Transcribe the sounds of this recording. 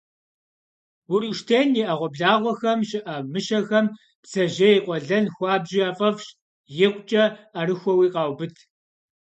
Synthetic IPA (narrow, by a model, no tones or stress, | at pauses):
wʊriʃtʰeːniʔɐʁʷɔbɮaːʁʷɔxɐmʃɪʔɐmɨʃɐxɐm | psɐʒɐjiqʷʼɔɮɐnxʷɑːbʑiaːfʼɐfʃ | jɪqʷʼt͡ʃʼɐɐrɨxʷɔwiːqʼɑːwbɨtʰ